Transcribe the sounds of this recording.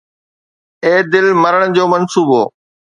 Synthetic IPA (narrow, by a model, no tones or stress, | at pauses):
eːd̪ɪlmɐɾəɽ̃d͡ʑoːmɐnsuːbɦoː